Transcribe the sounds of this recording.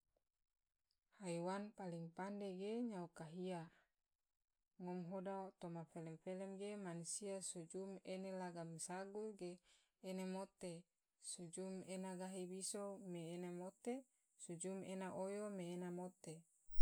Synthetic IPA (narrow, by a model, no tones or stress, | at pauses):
haiwanpaliŋpandeɡeɲaokaɦia | ŋɔmɦodaot̪omafelemfelemɡemanusiasud͡ʒumenelaɡamsaɡuɡeː | nemot̪e | sud͡ʒumenaɡaɦibisomeːnamot̪e | sud͡ʒumenaʔojomeːnamot̪e